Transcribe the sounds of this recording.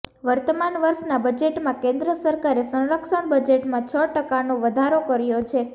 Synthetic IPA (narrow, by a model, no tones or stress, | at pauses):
ʋəɾt̪əmanʋəɾʃnabəd͡ʒeʈmãkẽnd̪ɾəsəɾkaɾesə̃wɾəkʃəɳbəd͡ʒeʈmãt͡ʃʰəʈəkanoʋəd̪ʱaɾokəɾjot͡ʃʰe